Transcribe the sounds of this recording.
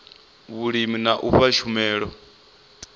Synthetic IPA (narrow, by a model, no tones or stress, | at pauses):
βuɺiminaʔuɸaʃʰumɛːɺɔ